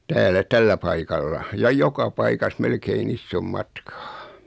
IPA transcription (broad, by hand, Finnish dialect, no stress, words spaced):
tæːlæ tælːæ pɑikɑlːɑ jɑ jokɑ pɑikɑs melkein isːom mɑtkɑ̥ː